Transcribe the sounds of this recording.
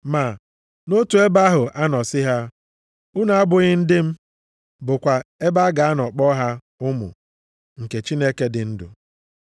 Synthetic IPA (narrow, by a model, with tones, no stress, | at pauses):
ma˨ | no˦tu˨e˦ba˦ɦʊ˨ʔa˦nɔ˨sɪ˦ɦa˦ | ʊ˦na˨a˦bʊ˨ɣɪ˦n̩˦dɪ˦m̩˦ | bʊ˨kʷa˨e˦ba˦ɡa˨a˦nɔ˨k͡pɔ˦ɦa˦ | ʊ˦mʊ̰˨ | ŋ̩˨ke˨t͡ʃi˦ne˦ke˦dɪ˨n̩˦dʊ̰˨